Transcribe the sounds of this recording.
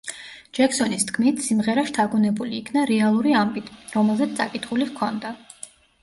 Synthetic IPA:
d͡ʒɛksɔnist̪ʰkʰmit̪ʰsimʁɛɾaʃt̪ʰaɡunɛbuliːkʰnaɾɛalˠuɾiambʼit̪ʰɾɔmɛlˠzɛt̪ssʼakʼit̪ʰχuliʁkʰɔnd̪a

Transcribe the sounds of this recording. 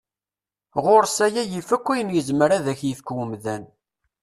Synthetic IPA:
ʁʊɾsæjæjifækʷːijənjəzmɾaðæçjiθkwəmðæn

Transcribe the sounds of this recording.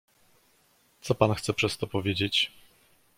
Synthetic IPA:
t̪sɔpanxt̪sɛpʂɛst̪ɔpɔvʲjed͡ʑet͡ɕ

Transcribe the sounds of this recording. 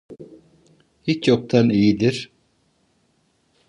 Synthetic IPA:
hit͡ʃjok̚t̪ʰanijid̪iɾ̥

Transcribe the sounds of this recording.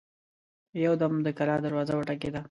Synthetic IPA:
jawd̪amd̪əkalɑd̪əɾwɑzawəʈak̬ed̪a

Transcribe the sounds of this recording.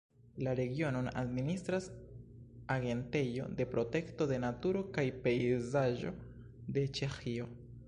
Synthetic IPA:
laɾe̞ɡio̞nona̰d̚ministɾas | aɡe̞nte̞jo̞̰de̞pɾo̞te̞kto̞de̞natuɾo̞kajpe̞jzaʒo̞ | de̞t͡ʃe̞xio̞

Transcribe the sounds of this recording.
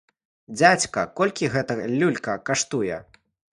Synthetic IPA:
d͡zʲat͡sʲkɐkɔlʲkʲiɣɛt̪ɐlʲːulʲkɐkaʂt̪ujɛ

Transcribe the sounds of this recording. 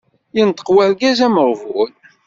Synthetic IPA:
jint̪ːə̥qwælɡæzæməɾˤvul

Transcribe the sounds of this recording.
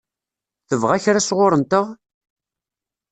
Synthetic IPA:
θəvʁæçɾasʁʊɾənt̪əʁ

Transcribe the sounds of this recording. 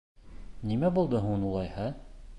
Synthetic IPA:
nimæbulˠd̪ɤɦunulˠɑjhɑ

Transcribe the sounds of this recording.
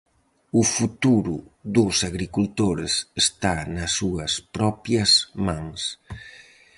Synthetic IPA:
ufut̪uɾuðusaɣɾikult̪oɾesest̪anɐsːuɐspɾɔpjɐzmaŋs

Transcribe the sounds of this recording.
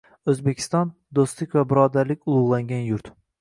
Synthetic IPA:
ɵzbe̞kʲʰɪ̥st̪ɒn | d̪ost̪lɪkʲvabɪɾɒd̪aɾlɪkʲʊlˠʊʁlˠaŋɡʲanjʊɾt̪

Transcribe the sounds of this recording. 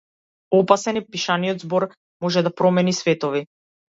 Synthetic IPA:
ɔpasɛnipiʃaniɔd̪zbɔɾ | mɔʒɛd̪apɾɔmɛnisvɛt̪ɔvi

